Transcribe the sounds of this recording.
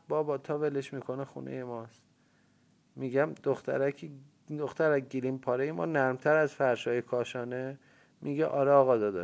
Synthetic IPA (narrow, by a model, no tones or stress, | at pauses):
bɒːbɒːt̪ʰɒːveleʃmiːkʰo̞nexṵnʔḛjemɒːs | miɟæmd̪̥oxt̪ʰæ̰ɾækʰi | d̪oxt̪ʰæɾæɟilimpʰɒːɾejemɒ̰ːnæɾmt̪ʰæɾæzfæɾʃɒːjekʰɒːʃɒːne | miɡeʔɒːɾɛɒːɣɒːd̪ɒd̪ɒ̰